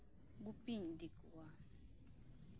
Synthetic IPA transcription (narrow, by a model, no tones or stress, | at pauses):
k̬upʼindʱikwa